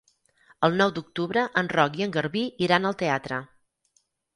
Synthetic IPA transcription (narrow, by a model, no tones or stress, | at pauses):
əlˠnɔwd̪uk̚t̪uβɾəʔənrɔkiəŋɡərβiiɾanəlˠt̪eat̪ɾə